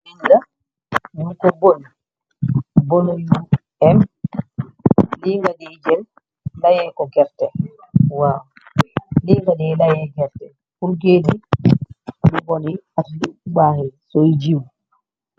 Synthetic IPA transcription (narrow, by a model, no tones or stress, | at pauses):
liŋɡa | jukɔboni | bɔnoju | ɛm | liŋɡadɛd͡ʒɛn | lajɛkɔɡɛɾtɛ | waw | liŋɡadɛlajɛɡɛɾtɛ | kulɡeːdi | mubɔniatdiɓaːhɛsojd͡ʒiw